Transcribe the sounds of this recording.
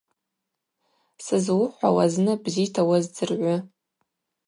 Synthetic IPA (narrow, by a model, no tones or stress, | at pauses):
sɨzwʊħʷawaznɨbzitʰawazd͡zɨrʕʷʊ